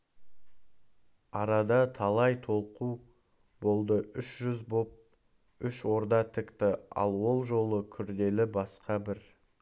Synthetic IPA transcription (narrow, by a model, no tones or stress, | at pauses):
ɑɾɑd̪ɑt̪ʰɑlˠɑjt̪ʰo̞lˠqu | bo̞lˠd̪əʔʏʃʒʏzbo̞p̚ | ʏʃwo̞ɾd̪ɑt̪ʰɪkt̪ɪɑ̰lˠwo̞lˠʒo̞lˠəkʲʰʏɾd̪e̞lɪbɑsqɑbɪɾ